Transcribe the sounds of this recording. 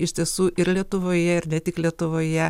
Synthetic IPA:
ɪʃʲt̪ʲiɛsuːʔɪɾlʲiɛt̪ʊʋoːjɛɪɾnʲɛt̪ʲɪklʲiɛt̪ʊʋoːjɛ

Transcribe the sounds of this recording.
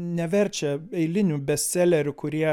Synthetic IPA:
nʲɛʋʲɛɾʲt͡ʃʲɛɛɪlʲɪnʲubʲɛsʲt̪sʲɛlʲɛɾʲʊkʊɾʲiɛ

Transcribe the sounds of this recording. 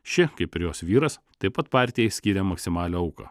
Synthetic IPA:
ʃʲɪkɐɪpʲɪɾʲjoːsʋʲiːɾɐs | t̪ɐɪpɐt̪pɑːˑɾʲt̪ʲɪjɛjsʲkʲiːɾʲɛmɐksʲɪmɑːlʲɛːɐʊkɐ̰ː

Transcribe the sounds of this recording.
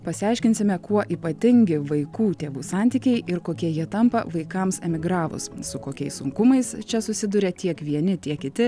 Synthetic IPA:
pɐsʲɪɑˑɪʃʲkʲɪnʲsʲɪmʲɛkuɔʔiːpɐt̪ʲɪŋʲɡʲɪʋɐɪkuːt̪ʲeːʋuːsɑˑnʲt̪ʲiːkʲɛɪʔɪɾkoːkʲiɛjiɛt̪ɐmpɐ̰ʋɐɪkɐmsɛmʲɪɡɾɑːʋʊ̰ssʊkoːkʲɛɪssʊŋkʊmɐɪst͡ʃʲɛsʊsʲɪd̪ʊɾʲɛt̪ʲiɛkʋʲiɛnʲɪt̪ʲiɛkkʲɪt̪ʲɪ

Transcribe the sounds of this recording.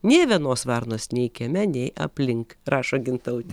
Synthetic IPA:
nʲeːʋʲiɛnoːsʋɐɾnoːsnʲɛɪkʲɛmʲɛnʲɛɪʔɐ̰pʲlʲɪŋkɾɑːʃoːɡʲɪnt̪ɐʊt̪ʲɪ

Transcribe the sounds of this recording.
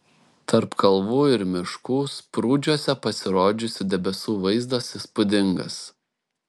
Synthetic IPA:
t̪ʰɐɾpkʰɐlˠʋuːɪɾmʲɪʃkuːspɾuːd͡ʒʲuɔsʲɛpɐsʲɪɾoːd͡ʒʲʊsʲɪd̪ʲɛbʲɛsuːʋɐɪzd̪ɐsispʊd̪ʲɪŋɡɐ̰s

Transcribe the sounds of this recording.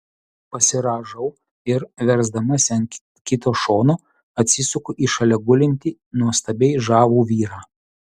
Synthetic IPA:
pɐsʲɪɾɑːʒɐʊ | ɪɾʋʲɛɾzd̪ɐmɐsʲɐnkʲ | kʲɪt̪oːʃoːnoː | ɐt̪ʲsʲɪsʊkʊʔiːʃɐlʲɛɡʊlʲɪnʲt̪ʲi | nuɔst̪ɐbʲɛɪʒɑːʋuːʋʲiːɾɑː

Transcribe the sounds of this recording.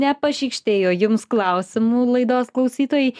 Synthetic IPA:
nʲɛpɐʃʲiːkʃʲt̪ʲeːjoːjʊmsklˠɐʊsʲɪmuːlˠɐɪd̪oːsklˠɐʊsʲiːt̪oːjɛɪ

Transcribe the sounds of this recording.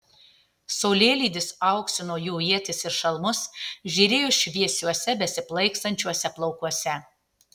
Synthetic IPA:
sɐʊlʲeːlʲiːd̪ʲɪsɐʊksʲɪnoːjuːiɛt̪ʲɪsɪɾʃɐlˠmʊsʒʲiːɾʲeːjʊʃʲʋʲiɛsʲuɔsʲɛbʲɛsʲɪplˠɐɪkst̪ɐnʲt͡ʃʲuɔsʲɛplˠɒʊkuɔsʲɛ

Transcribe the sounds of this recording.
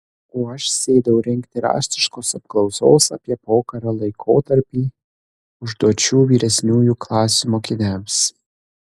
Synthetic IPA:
oːɐʃsʲeːd̪ɐʋɐʊɾʲɪŋʲkt̪ʲɪɾɑ̰ːʃʲt̪ʲɪʃkoːsɐp̚klˠɒʊsoːsɐ̰pʲiɛpoːkɐɾɐlˠɐɪkʰoːt̪ɐɾʲpʲiː | ʊʒd̪uɔt͡ʃʲuːʋʲiːɾʲɛsʲnʲuːjuːklˠɑːsʲumoːkʲɪnʲæms

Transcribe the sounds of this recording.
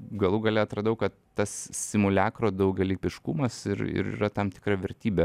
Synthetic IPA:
ɡɐlˠuɡɐlʲɛɐt̪ɾɐd̪ʊkɐt̪ːɐssʲɪmʊlʲæːkɾoːd̪ɐʊɡʲɛlʲiːpʲɪʃkumɐsɪɾɪ̰ɾḭːɾɐt̪ɐmt̪ʲɪ̥kɾɐʋʲɛɾʲt̪ʲiːbʲe

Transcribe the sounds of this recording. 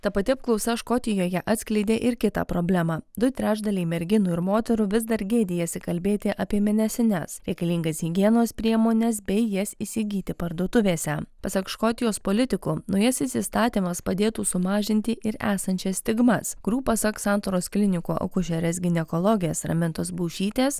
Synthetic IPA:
t̪ɐpɐt̪ʲɪɐp̚klˠɒʊsʲɛʃkɔt̪ʲɪjoːjɛʔɑːt̪sʲklʲɛɪd̪ʲeːʔɪɾkʲɪt̪ɑ̰ːpɾoːbʲlʲæmɑːd̪ʊt̪ʲɾʲæːʒd̪ɐlʲɛɪmʲɛɾʲɡʲɪnʊɪɾmoːt̪ʲɛɾʊʋʲɪzd̪ɐɾʲɡʲeːd̪ʲɪjɛsʲɪkɐlʲbʲeːt̪ʲɪʔɐpʲiɛmʲɛnʲɛsʲɪnʲɛ̰sɾʲɛɪkɐlʲiːŋɡɐsɦʲɪɡʲiɛnoːspʲɾʲiɛmoːnʲɛsbʲɛɪjɛsisʲɪɡʲiːt̪ʲɪpɐɾd̪uːt̪ʊʋʲeːsʲɛpɐsɐkʃkoːt̪ʲɪjoːspoːlʲɪt̪ʲɪkuːnɔʊjɛsɪsʲɪst̪ɑːt̪ʲiːmɐspɐd̪ʲeːt̪uːsʊmɑːʒʲɪnʲt̪ʲɪʔɪɾæːsɐnʲt͡ʃʲɛsʲt̪ʲɪɡmɐskʊɾʲuːpɐsɐksɑnt̪oɾoːsklʲɪnʲɪkoːʔɐ̰kʊʃʲɛɾʲɛsɡʲɪnʲɛkoːlˠoːɡʲɪjɛsɾɐ̰mʲɪnt̪osbuːʃʲiːt̪ʲeːs

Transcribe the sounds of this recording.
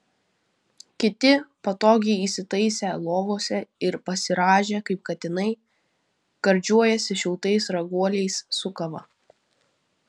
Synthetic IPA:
kʲɪt̪ʲɪpɐt̪oːɡʲɛɪiːˑsʲɪt̪ɐɪsʲɛlˠoːʋoːsʲɛɪɾpɐsʲɪɾɑːʒʲeːkɐɪp̚kɐt̪ʲɪnɐɪ | ɡ̥ɐɾʲd͡ʒʲuɔjɛsʲɪʃʲɪlˠt̪ɐɪsɾɐɡuɔlʲɛɪssʊkɐʋɐ̰

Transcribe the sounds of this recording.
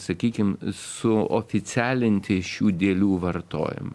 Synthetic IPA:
sɐkʲiːkʲɪmsʊo̰ːfʲɪsʲæːlʲɪnʲt̪ʲɪʃʲuːd̪ʲeːlʲuːʋɐrt̪o̰ːjɪ̰mɐ̰

